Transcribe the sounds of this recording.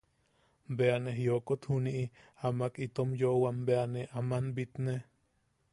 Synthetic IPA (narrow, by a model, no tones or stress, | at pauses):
mbeaneɦijokot̪huniʔi | amakit̪omjoʔwambeaneʔamanbit̪ne